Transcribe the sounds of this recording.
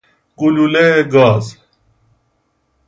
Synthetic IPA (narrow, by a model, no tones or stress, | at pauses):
kululeɡaːz